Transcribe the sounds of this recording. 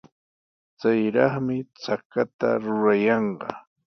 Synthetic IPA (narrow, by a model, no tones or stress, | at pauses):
t͡sajɾɑχmɪt͡sakat̪a̰ɾʊɾajɑɴɢɑ̰